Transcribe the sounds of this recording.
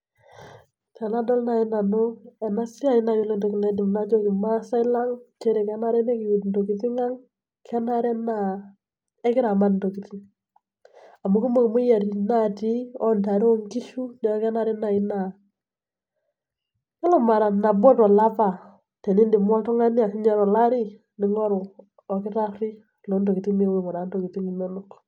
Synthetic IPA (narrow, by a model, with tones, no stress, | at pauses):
tɛ˨na˦dɔ˦lna˨ɪ˦na˨no˦ɛ˨na˦si˦a˨ɪ˦na˨jo˦lɔ˦ndɔ˨kɪ˨na˨˦dɪ˨mna˦t͡ʃo˦kɪ˨ma˦sa˦ɪ˦la˦ŋt͡ʃɛ˦ɾɛ˨kɛ˦na˦ɾɛ˦nɛ˦kɪ˨u˨tndo˨ki˨ti˦ŋa˦ŋ | kʰɛ˦na˦ɾɛ˦na˨ | ɛ˦kɪ˦ɾa˨ma˦tn˨do˨ki˨ti˦ | a˨mu˨ki˦mo˦kmʊ˦ja˨ɾi˨na˦˨ti˦ɔ˦nta˨ɾɔ˦ŋki˦ʃu˦nɛ˨˦ɔ˦kɛ˦na˦ɾɛ˦na˨ɪ˦na˨ | ɛ˦lɔ˦ma˨ɾa˨na˨bɔ˦tɔ˨la˦pa˨ | tɛ˨ni˦ndi˨mɔ˦tu˦ŋa˦nɪ˦a˨sɪ˦ɲa˦ɾɔ˨la˦ɾi˦ | nɪ˨˦ŋɔ˦ɾʊ˨ | ɔ˨kɪ˦ta˦i˦ | lo˨˦nto˨ki˨ti˦me˦we˨ŋɔ˨na˨˦nto˨ki˨ti˦ŋi˨me˦lu˦k